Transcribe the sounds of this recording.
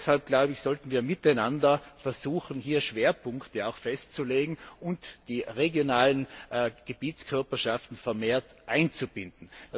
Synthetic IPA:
shalp̚ɡ̥laʊbɪçsɔltn̩viːɐmɪtaɪnandɐfɛɐzuːxn̩hiːɐʃv̥eːɐpʰʊŋktəaʊxfɛstt͡suleːɡŋ̩ʔʊntd̥iːʁeɡjonaːlənɡ̥əb̥iːt͡skʰœɐpɐʃaftn̩fɛɐmeːɐtʔaɪnt͡sub̥ɪndn̩

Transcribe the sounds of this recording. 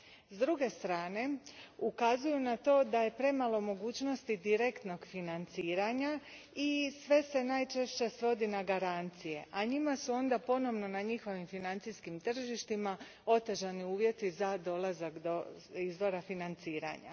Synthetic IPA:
zd̪ɾuɡe̞st̪ɾaːne̞ukazujunat̪o̞ːd̪aje̞pɾe̞malˠo̞mo̞ɡuːt͡ɕno̞st̪id̪iɾekt̪no̞ɡfinant̪siːɾaɲa | isʋe̞se̞najt͡ʃeʃt͡ɕe̞sʋo̞d̪inaɡaɾant̪sije̞̰ʔaɲimasuo̞nd̪apo̞no̞ʋno̞naɲixo̞ʋimfinant̪siskimt̪r̩ʒiʃt̪ima | o̞t̪əʒaniuːʋje̞t̪izad̪o̞lˠazakd̪o | izʋo̞ɾafinant̪siːɾa̰ɲa̰

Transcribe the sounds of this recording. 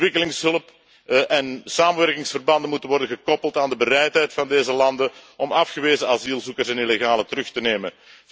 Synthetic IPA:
ʋɪkəlɪŋsɦɵləp | ʔɛnsaːmənʋɛrkɪŋsfərbɑndənmutənʋɔrdənɣəkɔpəlˠtaːndəbəɾɛjtɦɛjtfɑndeːzəlɑndənɔmɑfxəʋeːzəaziːlˠzukərsɛnileɣaːlətəɾɵxtəneːmən

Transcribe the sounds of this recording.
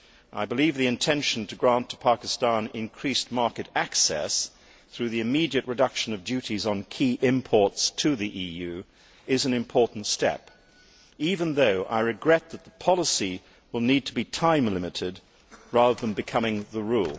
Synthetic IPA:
ʔa̰ɪbəlivðiɨ̃ntʰɛ̃nʃn̩tʰɨɡɹæ̃ntʰə̥pʰɑkɨstɑ̃nɪ̃nkʰɹ̥ismɑɹkɨɾæksɛ̰s | θɹʉðiɨmiɾiɨʔ̚ɹɨdʌkʃɨ̃nʌvdʉɾizn̩kʰiʔɪ̃mpʰɔɹtstʰɨðiʔijʉ | ɪzɨ̃n̩ɨ̃mpʰɔɹʔn̩tstɛ̰p | ivɨ̃nðoʊʔa̰ɪɹɨɡɹɛt̪̚ðət̪̚ðəpʰɑlˠəsi | wəlˠnid̚tʰəbitʰãɪ̃mlɪmɨɾɪd̚ | ɹɑðəðə̃nbɨkʰʌmɪ̃ŋðəɹulˠ

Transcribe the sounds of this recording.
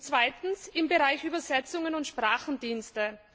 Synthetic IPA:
t͡sv̥aɪtn̩sɪmbeʁaɪçʔyːbɐzɛt͡sʊŋənʊntʃpʁ̥aːxn̩diːnstə

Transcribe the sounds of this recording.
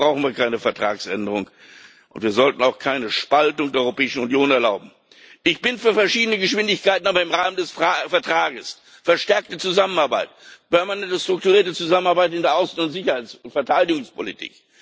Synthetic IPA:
bʁaʊxn̩viːɐkʰaɪnəfɛɐtʁ̥a̰ːksʔɛ̰ndəʁʊŋ | ʔʊ̰ntv̥iːɐzɔltn̩aʊxkʰaɪnəʃpaltʊŋd̥eːɐɔʏʁopɛːɪʃn̩unjoːnɛɐlaʊbm̩ | ʔɪçb̥ɪnfyːɐfɛɐʃiːdənəɡəʃv̥ɪndɪçkaɪtn̩ʔaːbɐɪmʁaːməndɛsfɛɐtʁ̥aːɡəs | fɛɐʃtɛɐk̚tət͡suzamənaɐba̰ɪtpɛɐmanɛntəstʁ̥ʊktuʁiːɐtət͡suzamənaɐbaɪtɪndeːɐʔaʊsn̩ʊntz̥ɪçɐhaɪt͡snfɛɐtʰaɪdɪɡʊŋspʰolitʰḭːk

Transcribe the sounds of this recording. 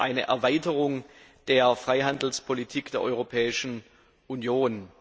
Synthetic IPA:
ʔa̰ɪnə̰ʔɛ̰ɐvaɪtəʁʊŋ | d̥eːɐfʁ̥aɪɦandl̩spʰolitʰiːkd̥eːɐʔɔʏʁopʰɛːɪʃn̩ | ʔunjoːn

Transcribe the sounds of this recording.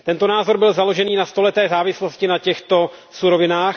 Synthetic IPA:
t̪ɛnt̪onaːzo̞ɾbɪlzalo̞ʒɛniːnast̪o̞lɛt̪ɛːzaːvɪslo̞scɪnacɛxt̪o̞suɾo̞vɪnaːx

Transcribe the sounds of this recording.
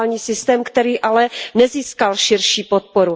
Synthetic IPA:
lɲiːsɪst̪ɛːmkt̪ɛɾiːʔalɛnɛziːskalʃɪɾʃiːpot̪̚poɾu

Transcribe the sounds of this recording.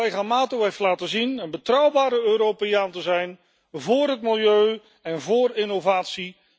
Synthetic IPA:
ejχamaːtoɦejftlaːtəzinənbətrʌwbaːɾəøːɾowpejaːntəzɛjn | vʊːrɦətmɪlˠjøɥ | ɛnvʊːrɪnowvaːtsi

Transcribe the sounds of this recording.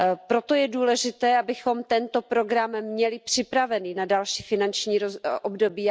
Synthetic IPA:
pɾo̞t̪o̞jɛduːlɛʒɪt̪ɛːʔabɪxo̞mt̪ɛnt̪o̞pɾo̞ɡɾammɲɛlɪpr̥ɪpɾavɛniːnadalʃiːfɪnant͡ʃɲiːoʔobdo̞biː

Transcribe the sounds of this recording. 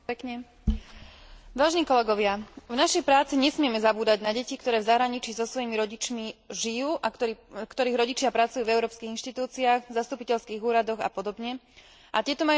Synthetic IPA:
ɛkɲɛ | ʋaːʒɛniːkɔlɛɡɔʋɪavnaʃɛjpɾaːt͡siɲɛsmɪɛmɛzabuːd̪aɟnaɟɛcikt̪ɔɾɛːvzaɦɾaɲit͡ʃizɔsʋɔjimiɾɔɟit͡ʃmiʒijuːʔaɔkt̪ɔɾiːɣɾɔɟit͡ʃɪapɾat͡sujuːvɛʊɾɔːpskiːɣinʃt̪it̪uːt͡siaɣzast̪upicɛʎskiːɣuːɾad̪ɔɣa̰pɔd̪ɔbɲɛ | ʔat̪ɪɛt̪ɔmaj

